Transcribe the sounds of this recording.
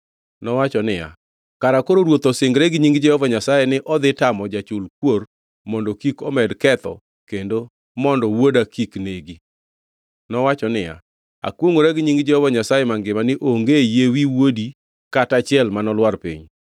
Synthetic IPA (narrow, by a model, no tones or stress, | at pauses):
nɔwat͡ʃɔnɪja̰ | kaɾakoɾoɾwot̪osɪŋɡɾɛɡɲiŋɡd͡ʒɛhɔvaɲasajɛnɪʔɔd̪ɪtamɔd͡ʒat͡ʃʊlk̚wor | mɔndɔkikɔmɛdkɛt̪ɔ̰ | kendo | mɔndɔwodakikneɡi | nɔwat͡ʃɔnɪja̰ | a̰kwoŋoɾɛɡɲiŋɡd͡ʒɛhɔvaɲasajɛmaŋɡɪmanɪʔoŋɡejewiwodi | katat͡ʃɪɛlmanɔlwarpḭɲ